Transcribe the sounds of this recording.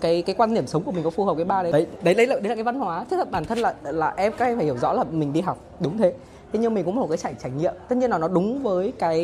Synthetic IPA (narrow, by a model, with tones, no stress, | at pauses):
kaː˨˦jkaː˨˦jkwaː˧nːɗi˧˩əmsə˨˦ŋ͡mku˧˩mi˨˩ŋ̟kɔ˨˦fu˨˩həː˨˩p̚kaː˨˦jɓaː˧ɗə˨˦ɗə˨˦jɗə˨˦jɗə˧˦jlaː˨˩ɗə˨˦ja˨˩kːa˨˦va˧nhwaː˨˦t̪ʰi˦˥t̪̚ʰə˨˩ɓaː˧˩nt̪ʰə˧nlaː˨˩laː˨˩ʔɛ˧mkaː˦˥ɛ˧mfaː˧˩həwzɔ̰˧˥laː˨˩mï˨˩ŋ̟ɗi˧ɦa˨˩wk͡p̚ɗʊ˨˦ŋ͡mt̪ʰe˨˦ | t̪ʰe˨˦ɲ˧mi̟˨˩kʊ̰˧˥ŋ͡m̚kːt͡ɕaː˧˩jt͡ɕaː˧˩jɲḭ˧˨əmt̪ə˦˥t̚ɲ˧ənːa˨˩nɔ˨˦ɗʊ˨˦ŋ͡mvəː˨˦jkaː˨˦j